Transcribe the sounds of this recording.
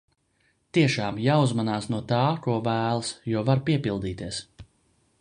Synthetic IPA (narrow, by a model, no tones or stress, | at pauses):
t̪iɛʃaːmjaːuzmanaːsnuɔt̪aːkuɔvæːlˠsjuɔvaɾpiɛpilˠd̪iːt̪iɛs